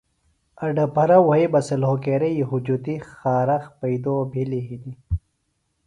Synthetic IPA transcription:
ɐɖɐpɐɾɐwɐibɐsɐlɦokeɾɐjiɦud͡ʒut̪ixaːɾɐxpɐid̪oːbʱiliɦid̪i

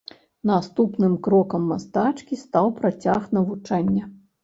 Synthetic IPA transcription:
nast̪upnɨmkɾɔkɐmːast̪at͡ʂkʲist̪awpɾat͡sʲaxnɐvut͡ʂanʲːɐ

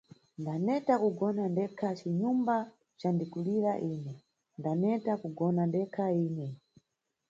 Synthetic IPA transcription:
ndanɛtakuɡɔnandɛkʰat͡ʃiɲumba | t͡ʃandikuliɾaʔiːnɛ | ndanɛtakuɡɔnandɛkʰaiːnɛ

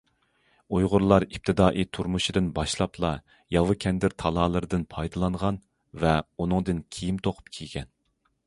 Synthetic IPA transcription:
ujʁʊɾlˠɑɾip̚t̪ʰɨd̪ɑːʔit̪ʰuɾmuʃid̪ɨnbɑʃlˠɑpʰlˠɑ | jɑvɨkʲʰɛnd̪ɪɾt̪ʰɑlˠɑːlˠɨɾɨd̪ɨnpʰɑjd̪ɨlˠɑɴʁɑn | vɛunɨŋd̪ɨnkʲʰijimt̪ʰoqʰʊ̥p̚kʲʰiɡʲɛn

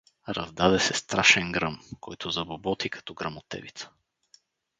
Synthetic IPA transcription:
ɾɐ̰zd̪ad̪ɛsɛst̪ɾaʃɛnɡɾɤmkʰɔjt̪ʰʊzɐbobɔt̪ikɐ̥t̪ɔɡɾɐmot̪ɛ̰vit̪sə̥

